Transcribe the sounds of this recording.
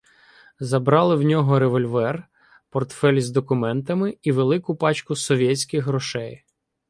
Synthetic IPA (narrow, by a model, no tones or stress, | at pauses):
zɐbɾɑlˠɪwnʲɔɦɔɾeʋɔlʲʋɛr | pɔrt̪fɛlʲzd̪ɔkʊmɛnt̪ɐmɪiʋelˠɪkʊpɑt͡ʃkʊsɔʋʲjɛsʲkɪxɦɾɔʃɛj